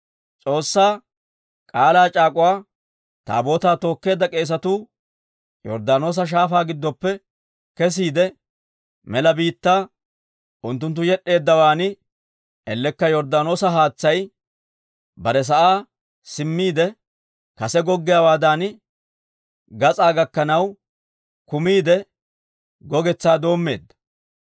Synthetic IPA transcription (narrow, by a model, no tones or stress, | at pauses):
t͡sʼo̞ːsːaː | kʼaːlaːt͡ʃʼaːkʼʊwaː | t̪a̰ːbo̞ːt̪aːt̪o̞ːkːe̞ːd̪ːɐkʼe̞ːs̬ɐt̪uː | jɔ̰ɾd̪aːno̞ːs̬ɐʃ̬aːfaːɡɪd̪ːɔpːɛ | kɛs̬iːd̪ɛ | mɛlɐbiːt̪ːaː | ʔʊnt̪ːʊnt̪ːʊjɛɗːe̞ːd̪ːɐwaːnɪ | ɛlːɛkːɐjɔɾd̪aːno̞ːsɐɦaːt͡sːɐj | bɐɾɛs̬ɐʔaː | sɪmːiːd̪ɛ | kɐsɛɡɔɡːɪjaːwaːd̪an | ɡɐt͡sʼaːɡɐkːɐnɐw | kʊmiːd̪ɛ | ɡɔɡɛt͡sːaːd̪o̞ːmːe̞̰ːd̪ːɐ̥